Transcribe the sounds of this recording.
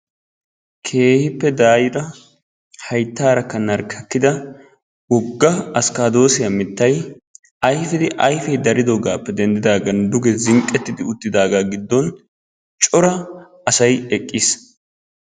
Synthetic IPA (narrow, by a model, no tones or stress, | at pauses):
kʰe̞ːhɪpːɛd̪aːjɪɾɐ | hɐjt̪ːaːɾɐkːɐnɐɾkʰɐkːɪd̪ɐ | wɔɡːɐɐskaːd̪o̞ːsɪjɐmɪt̪ːɐj | ɐjfɪd̪ɪʔɐjfɛjd̪ɐɾɪd̪oɡaːpːɛd̪ɛnd̪ɪd̪aːɡɐnd̪ʊɡɛzɪŋkʼːɛt̪ːɪd̪ɪʊt̪ːɪd̪aːɡaɡɪd̪ːɔn | t͡ʃʼɔɾɐ | ɐsɐjɛkʼːɪs